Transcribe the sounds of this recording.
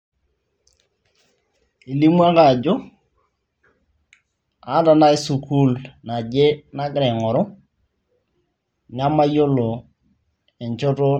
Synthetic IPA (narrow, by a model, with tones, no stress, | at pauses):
i˨li˦mwa˦ka˨d͡ʒo˦ | a˨˦da˨na˦e˦su˨kʰu˦lna˨d͡ʒe˦na˦ɡɾɛ˨ŋɔ˨ɾʊ˦ | ɲa˦ma˦jo˦lo˨ | e˨ɲt͡ʃo˦to˦